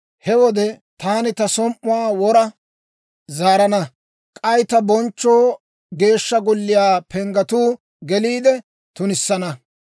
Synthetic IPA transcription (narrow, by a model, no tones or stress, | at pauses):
hɛwɔd̪ɛt̪aːnɪt̪ɐsɔmʔʊwaːwɔɾɐ | zaːɾɐnɐ | kʼɐjt̪ɐbɔnt͡ʃːoː | ɡe̞ːʃːɐɡʊlːɪjaːpɛŋɡɐt̪uː | ɡɛliːd̪ɛ | t̪ʊnɪsːɐnɐ